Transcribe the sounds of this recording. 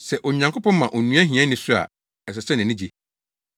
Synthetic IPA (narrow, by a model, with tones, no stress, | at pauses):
sɛ˨ʔɔ˨ɲã˨ŋkʰʊ˦pɔ̃˦mmã˨ʔɔ˨nũ˦ã˦ɦĩ˨ã˦nɪ̃˦sʊ˦a̰˨ | ɛ˨s̬ɛ˨sɛ̃˦n˨ɛ̃˨nɪ̃˦d͡ʑi˦˨